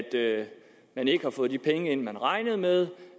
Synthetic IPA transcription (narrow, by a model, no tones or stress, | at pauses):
d̥ | mæne̝ɡ̥əhɑ̈fɔ̽ːðˠdipʰeŋəe̝n̰mænʁɑ̈ɪnəð̩ˠmeð̞ˠ